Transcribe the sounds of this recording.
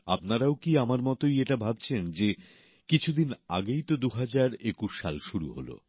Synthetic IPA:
apnaɾaokiamaɾmɔt̪ojeʈabʱab̚t͡ɕʰend͡ʑe | kit͡ɕʰud̪ina̰ɡejt̪od̪uɦad͡ʑaɾekuʃːalʃuɾṵɦo̰lo̰

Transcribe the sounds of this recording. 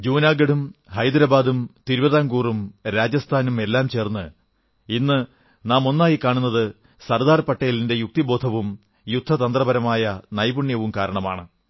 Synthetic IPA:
d͡ʑuːnaːɡɐɽumhɐjd̪ɐɾɐbaːd̪umt̪iɾuʋɐðaːŋɡuːrumɾaːd͡ʑɐst̪ʰaːnume̞lːaːmt͡ɕe̞ːrnːɨ | inːɨ | naːmo̞nːaːjikaːɳunːɐðɨ | sɐrd̪aːrpɐʈːɐjilinde̞juk̚t̪ibo̞ːd̪ʰʱɐʋum | jud̪ʱːɐt̪ɐnd̪rɐbɐɾɐmaːjɐnɐjbuɳjɐʋumkaːɾɐɳɐma̰ːɳɨ

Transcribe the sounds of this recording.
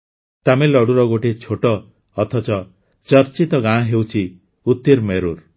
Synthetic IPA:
t̪amelɔɽuɾɔɡoʈet͡ʃʰoʈɔː | t̪ʰɔt͡ʃɔ | t͡ʃɔɾt͡ʃit̪ɔɡãɔɦewt͡ʃʰi | ut̪ːiɾmeɾuɾ

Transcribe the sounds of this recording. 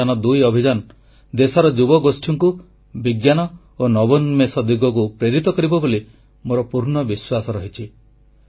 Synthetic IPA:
anɔd̪ujɔbʱid͡ʒan | d̪esɔɾɔd͡ʒubɔɡosʈʰiŋku | biɡjanɔ | onɔbɔnmesɔd̪uɡɔk̬upɾeɾit̪ɔkɔɾibɔboli | moɾɔpuɾnɔbiswasɔɾɔɦit͡ʃʰi

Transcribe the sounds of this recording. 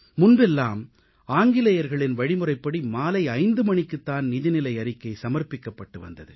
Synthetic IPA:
mʊnbɛlːaːm | aːŋɡɪlɐjɐɾɣɐɭɪnʋɐɻɪmɯrɐɪpːɐɽimaːlɐɪɐɪnd̪ɯmɐɳɪkːɯt̪ːaːnnɪðɪnɪlɐɪɐɾɪkːɐɪsɐmɐɾpɪkːɐpːɐʈːɯʋɐ̰nd̪ɐðɯ̰

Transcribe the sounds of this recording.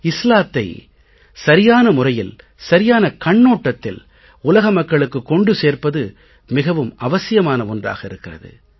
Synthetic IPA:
ɪslaːt̪ːɐɪ | sɐɾɪjaːnɐmʊrɐjɪl | sɐɾɪjaːnɐkɐɳːoːʈːɐt̪ːɪ̰l | ʊlɐɣɐmɐkːɐɭɯkːɯkːɔɳɖɯseːrpɐðɯ | mɪɣɐʋɯmɐʋɐsɪjɐmaːnɐɔndra̰ːɣɐɪɾɯkːɪrɐ̰ðɯ̰

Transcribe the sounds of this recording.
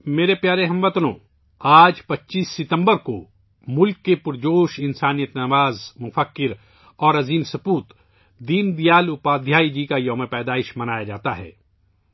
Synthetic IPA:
meːɾepjaːɾeɦɐ̃mʋɐt̪lõ̰ː | aːd͡ʒpɐtːʃiːsːɪt̪ə̃mbəɾko | mʊlkːepʊɾd͡ʒoːʃɪnsaːnijət̪nɐmaːzmʊfəkːɪɾ | ɔːɾɐziːmsɐpuːt̪ | d̪iːnd̪ijaːlʊpaːd̪ʱjaːid͡ʒiːkajɐːmẽpɛːd̪aːɪʃmɐnaːjad͡ʒaːt̪aɦɛ̰ː

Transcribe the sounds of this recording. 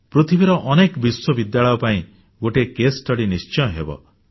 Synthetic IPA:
pɾut̪ʰibiɾɔʔɔnekbiswɔbid̪jaɭɔjɔpaĩ | ɡoʈekesʈɔɽinist͡ʃɔjɔ̃ɦebɔ̰

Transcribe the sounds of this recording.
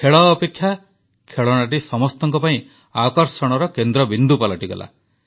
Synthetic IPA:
kʰeɭɔːpekʰːja | kʰeɭɔɽ̃aʈ̬isɔmɔst̪ɔŋkɔpaĩ | akɔɾsɔɽ̃ɔɾɔkend̪ɾɔbind̪upalɔʈiɡɔ̰la̰

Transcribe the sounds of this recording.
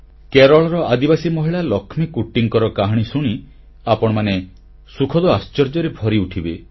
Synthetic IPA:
keɾɔɭɔɾɔʔad̪ibasimɔɦiɭalɔkʰmikuʈːiŋkɔɾɔkaɦɽ̃isuɽ̃i | apɔɽ̃ɔmane | sukʰɔd̪ɔast͡ʃɔɾd͡ʒɔɾebʱɔɾiuʈʰibe

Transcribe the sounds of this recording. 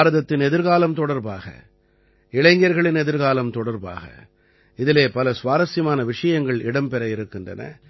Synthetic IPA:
ɾɐðɐt̪ːɪnɛðɪɾɣaːlɐmt̪ɔɽɐɾbaːɣɐ̰ | ɪɭɐɪŋɡjɐɾɣɐɭɪnɛðɪɾɣaːlɐmt̪ɔɽɐɾba̰ːɣɐ̰ | ɪðɪleːpɐlɐsʋaːɾɐsɪmaːnɐʋɪʂɐjɐŋɡɐɭɪɽɐmpɛɾɐɪɾɯkːɪndrɐnɐ̰

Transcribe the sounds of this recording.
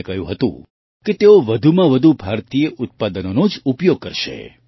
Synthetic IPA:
kəɦjṵ̃ɦət̪ṵ̃ | ket̪eoʋəd̪ʱumãʋəd̪ʱubʱaɾt̪ijəʔʊt̪̚pad̪ənonod͡ʒupjoɡ̚kəɾʃḛ

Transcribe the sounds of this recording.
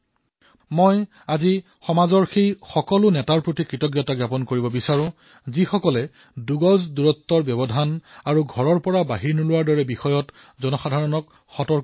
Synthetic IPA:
mɔj | azi | xɔmazɔɹxejxɔkɔlʊnɛtaɹpɹotikɹitɔkɡjɔtaɡjapɔnkoɹibɔbisaɹʊ̃ | zixɔkɔlɛ | duɡɔzduɹɔtːɔɹbjɔbɔdʱanaɹuɡʱɔɹɔɹpɔɹabaɦiɹnɔlʊwaɹdɔɹɛbixɔjɔt | zɔnɔxadʱaɹɔnɔk | xɔtɔɹ

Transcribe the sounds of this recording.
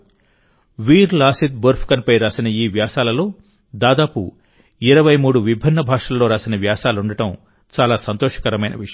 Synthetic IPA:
ʋiːɾlaːsit̪̚bɐɾpʰkɐnpɐjɾaːsinɐiːʋjaːsaːlɐlo̞ː | d̪aːd̪aːpṵ | iɾɐʋɐjmuːɽuʋibʱinːɐbʱaːʂɐlːoːɾaːsinɐʋjaːsaːluɳɖɐʈɐm | t͡ʃaːlaːsɐnt̪oːʂɐ̥kɐɾɐmɐjnɐ̰ʋi

